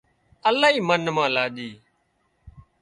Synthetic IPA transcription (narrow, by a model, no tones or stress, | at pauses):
əlaːɦiːmənmãːlaːʄiː